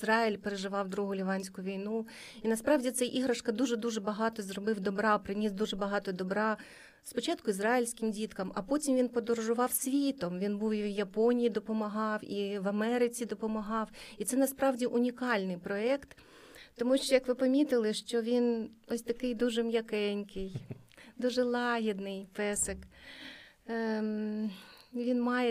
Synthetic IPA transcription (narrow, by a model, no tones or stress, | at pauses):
zɾɑilʲpeɾeʒɪʋɑwd̪ɾuɦʊlʲiʋɑnʲsʲkʊʊʋʲijnu | inɐspɾɑwdʲit̪sɛjʔiɦɾɐʃkɐd̪uʒɛd̪uʒɛbɐɦɑt̪ɔzɾɔbɪwd̪ɔbɾɑpɾɪnʲisd̪uʒɛbɐɦɑt̪ɔd̪ɔbɾɑ | spɔt͡ʃɑt̪kʊizɾɑɪlʲsʲkɪmdʲit̪kɐmɐpɔtʲimʋʲinpɔd̪ɔɾɔʒʊʋɑwsʲʋʲit̪ɔmʋʲinbuwiʋjɐpɔnʲijid̪ɔpɔmɐɦɑwiʋɐmɛɾɪt͡sʲid̪ɔpɔmɐɦɑwit̪sɛnɐspɾɑwdʲiʔʊnʲikɑlʲnɪjpɾɔɛkt̪ː | ɔmuʃt͡ʃɔjɐkʋɪpɐmʲit̪ɪlˠɪʃt͡ʃɔʋʲinɔsʲt̪ɐkɪjd̪uʒɛmjɐkɛnʲkɪjd̪uʒɛlˠɑɦʲid̪nɪjpɛsɪk | ʋʲinmɑjɛ